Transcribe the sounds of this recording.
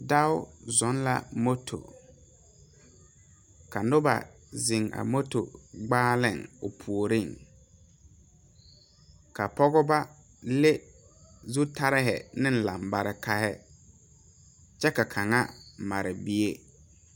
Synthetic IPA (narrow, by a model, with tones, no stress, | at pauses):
da˦ʊ˦zɔ˨˦nla̰˦˨mo˦tʰo̰˨ | ka˨nʊ˦ba̰˨ | zɪ˨ŋa̰˨mo˦to̰˨ɡ͡baː˦lɪ˦˨ŋʊ˨pʰu˨o˨ɾɪ˦˨ŋ | ka˨pɔ˦ɣɔ˦ba˦ | lɪ˦ | zu˦ta˦ɾɪ˦ɦɪ̰˨nɪ̃˦n̩˦la˨mba˨ɾɪ˦ka˦hɛ˦ | t͡ʃɛ˦ka˨kʰa˨ŋa˦ma˨ɾɪ˨bi˦e˦